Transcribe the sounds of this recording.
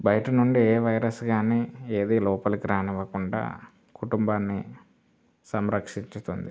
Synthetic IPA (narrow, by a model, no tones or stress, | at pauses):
bɐjʈɐnuɳɖieːʋɐjɾɐsɡaːneːeːd̪iːlɔːpɐlukiɾaːnɛʋɐkuɳɖa̰ː | kuʈumbaːnːḭ | sɐmɾɐkʂiɲt͡ʃut̪und̪i